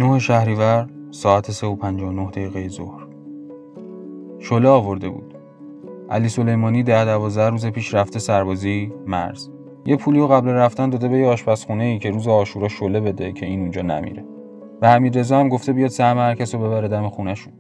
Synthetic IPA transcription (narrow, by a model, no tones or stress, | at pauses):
noheʃæhɾiːvæɾsɒːæt̪ʰese̞opʰænd͡ʒɒːonohd̪eɣiːɣejezo̰hɾ | ʃoleɒːvo̞ɾd̪e̞bṵːd̪̥ | ʔæ̰liːso̞le̞jmɒːniːd̪æhd̪ævɒːzd̪æhɾuːze̞pʰiːʃɾæft̪esæɾbɒːzimæ̰ɾz̥ | jepʰuːlioɣæblæræft̪ænd̪ɒːd̪e̞be̞jeɒːʃpæsxune̞iːcʰe̞ɾuːzeɒːʃuɾɒːʃole̞be̞d̪e̞cʰe̞iːnund͡ʒɒːnæ̰mḭɾe̞̰ | væhæmiːd̪ɾe̞zɒhæmɡo̞ft̪e̞bijɒːd̪sæhmehæɾcʰæsobe̞βæɾe̞d̪æme̞xunæʃun